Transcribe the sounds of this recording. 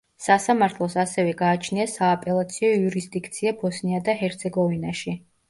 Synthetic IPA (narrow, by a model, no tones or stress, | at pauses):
sasamaɾt̪ʰlˠɔsasɛvɛɡaːt͡ʃʰniasaːpʼɛlˠat̪sʰiɔiuɾisd̪ikʰt̪sʰiabɔsniad̪aɦɛɾt̪sʰɛɡɔvinaʃi